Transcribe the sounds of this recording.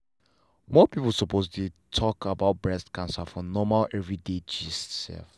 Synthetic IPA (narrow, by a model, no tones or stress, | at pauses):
mɔpipulsɔpostutʰɔkʰabaʊt̚bɹɛstkãnsafɔnɔmalɛvɹided͡ʒissɛ̰lf